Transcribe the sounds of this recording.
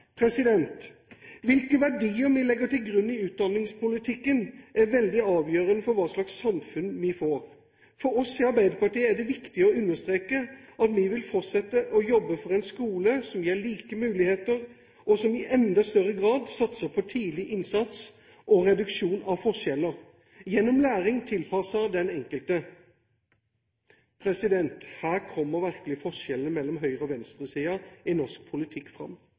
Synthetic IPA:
pʰɾɛsɪd̪ɛnt̪ʋɪlkəʋæɖiːəɾmɪlɛɡəʈɪlɡɾʉnːɪʉːt̪̚d̪ɑnːɪŋspʊlɪt̪ʰɪkːənʔæɾʋɛld̪ɪɑːʋjøːɾənəfɔɾʋɑːʂlɑksːɑmfʉnmɪfoːɾ | fɔɾɔsɪɑɾbæɪd̪əpɑʈiːəæɖ̪ɛʋɪkt̪ɪəɔʉnːəʂt̪ɾeːkəʔɑt̪mɪʋɪlfɔtsɛt̪ːəʔɔjɔbːəfɔɾɛɪnskuːləsɔmjeːɭiːkəmʉːlɪheːt̪əɾ | ʔɔsɔmɪʔɛnd̪ɑst̪œʁəɡʁɑːd̪sɑt̪səpʰɔt̪ʰiːd̪lɪʔɪnsɑt̪s | ʔɔʁɛd̪ʉkʂuːnɑʋfɔʂɛləʁ | jɛnːɔmlæːʁɪŋt̪ʰɪlpʰɑsəd̪ɛnɛŋkəlt̪ə | pʰʁɛsɪd̪ɛnt̪hæːʁkʰɔmːəʁʋæʁkəlɪfɔʂɛlənəmɛlːɔmɦœʏʁəɔʋɛnst̪ʁəsiːɑɪnɔʂk̚pʰʊlɪt̪ʰɪkːfʁɑ̰mː

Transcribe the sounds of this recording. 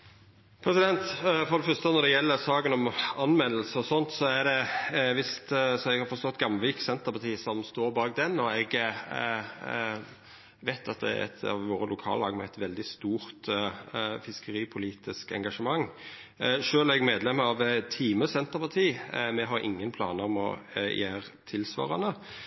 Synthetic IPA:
pʰɾɛsɪd̪ɛnt̪fɔɾd̪ɛfœɾst̪ənɔd̪ɛjɛlːəɾsɑːɡənɔmɑnmɛnəlsəɔsɔnt̪sɔæɾd̪ɛʋɪst̪sɔɛɡhɑɾfɔst̪ɔt̪ːɡɑmʋiːksɛnt̪əpʰɑt̪ʰiːsɔmst̪oːɾbɑːɡ̚d̪ɛnːɔɛɡ | ʋæɪt̪ʰɑt̪̚d̪ɛ̰ɛ̰t̪ʰɑ̰ʋʋoːɾəlʊkʰɑ̰ːləlɑːɡmɛɛt̪ʋɛld̪ɪst̪uːɾt̪ | fɪskəɾiːpʰʊliːt̪ɪskɛ̰ŋɡɑʂəmɑŋ | ʂøːlæɛɡmeːd̪lɛmːəɑʋt̪ʰiːməsɛnt̪əʁpʰɑt̪ʰiːmɛɦɑɾɪ̰ŋːənpʰlɑ̰ːnəʁɔmɔ̰jæːɾt̪ʰɪlsʋɑ̰ːʁənə

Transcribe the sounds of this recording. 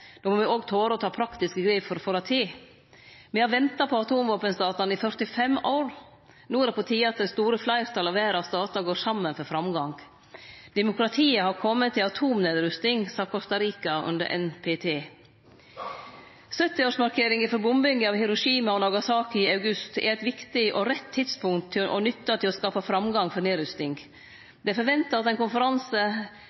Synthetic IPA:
d̪̥oːmoːʋɛoːɡt̪ʰoːɾəɔt̪ʰɑːpʰɾɑkt̪ɪskəɡɾɛɪfɔɾfɔːɾɑt̪ʰeː | mɛhɑɾʋɛnt̪ɑpʰɔɑt̪ʰuːmʋoːpənsd̪ɑːt̪ɑnɪfœɾt̪ɪfɛmoːɾ | nuːɾɛpɔt̪ʰiːɑɑt̪̚d̪ɛst̪uːɾəflɑɪɾt̪ʰɑlɑʋæːɾɑsd̪ɑːt̪ɑɡoːɾsɑmːənfɔɾfɾɑmɡɑŋ | d̪̥ɛmʊkɾɑt̪ʰiːəhɑɾkʰɔmːət̪ʰːɪlɑt̪ʰuːmneːd̪ɾʉst̪ɪŋsɑːkʰɔst̪ɑɾiːkɑʉ̰nd̪ə̰ɾʔɛ̰npʰeːt̪ʰeː | sœt̪ːɪoːʂmɑɾkʰeːɾɪŋɪfɔɾbʊmbʏŋɡəɑʋhɪɾʊʂiːmɑɔnɑɡɑsɑːkɪɑʉɡʉst̪ɛ̰ɾɛɪt̪ʋɪkt̪ɪʔɔɾɛt̪ʰːɪt̪spʊŋt̪ʰːɪʔɔ̰nʏt̪ːɑt̪ʰɪlɔskɑːpɑfɾɑmɡɑŋfɔɾneːd̪ɾʉst̪nɪŋ | d̪ɛfɔɾʋɛnt̪əɾɑt̪ɛɪnkʊnfəɾɑnsə

